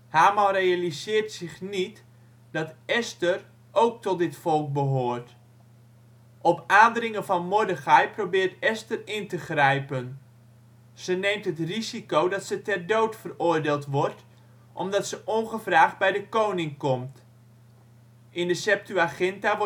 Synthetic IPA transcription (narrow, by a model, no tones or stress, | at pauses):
haːmalrejalizɪːrtsɪχnit | d̥ɑtɛstər | ʔowk̚tɔt̚dɪtfɔlˠk̚bəɦoːrt | ʔɔpaːndərɪŋəvɑnmʊdəχɛjprobɪːrtɛstərɪntəχrɛjpən | z̥ənejmtɦətrizikowdɑtsətɛrdowtfərʊːrdeːlˠtʋɔrt | ʔɔ̰mdɑtsəʔonχəvraːχd̚bɛjdəkownɪŋkɔmt | ʔɪndəsɛp̚tyaχɛntaʋ